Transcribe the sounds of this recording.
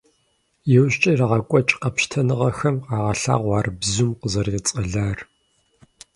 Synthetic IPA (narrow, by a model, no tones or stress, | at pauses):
jɛwɕt͡ʃʼɐraʁɐkʷʼɔt͡ʃʼqɐpʃtʰɐnɨʁɐxɐmqɑːʁɐɬa̰ːʁʷɑːrbzumqəzɐrt͡sʼɐɮaːr